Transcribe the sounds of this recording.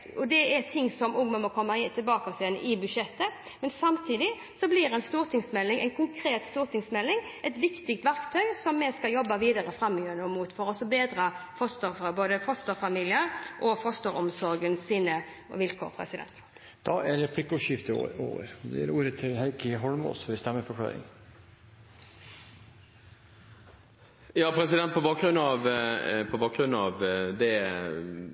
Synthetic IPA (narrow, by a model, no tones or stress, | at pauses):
ɔd̪ɛæt̪ʰɪŋːsɔmʊŋməmɔkʰɔmːɑɪt̪ʰɪlbɑːkɔsɪːɛnʔɪbʉdʃɛt̪ːə | mɛnsɑmt̪ʰiːd̪ɪ | sɔbliːɾɛɪnst̪uːɾt̪ʰɪŋsmɛlːɪŋʔæɪnkʰʊŋkʰɾeːt̪st̪uːɾt̪ʰɪŋsmɛlːɪŋʔɛt̪ʋɪkt̪ɪk̚t̪ʋæɾkt̪ʰœʏsɔmːɛskɑljɔbːɑʋiːd̪ɑɾəfɾɑmːɔjøːɾnəɔmuːt̪fɔɾɔsɔbeːd̪ɾɑfɔst̪əɾfboːd̪əfɔst̪əɾfɑmiːlɪəɾʔɔfɔst̪əɾɔmsɔɾɡənsiːnə̰ | ʋɪlkʰɔ̰ʁpʰʁɛ̰sɪd̪ɛ̰nt̪ | d̪̥ɑæɖɛpʰlɪkːɔʂɪft̪ə̰o̰ːʋə̰ɾd̪ɛæɾuːɾət̪ʰɪlɦæɪkəɦɔlmo̰sɔʋɪst̪ɛmːəɾfɔkʰlɑ̰ːɾɪ̰ŋ | jɑːpʰɾɛsɪd̪ɛnt̪̚pʰɔbɑːk̚ɡɾʉnːɑʋpʰɔbɑːk̚ɡɾʉnːɑʋd̪ɛ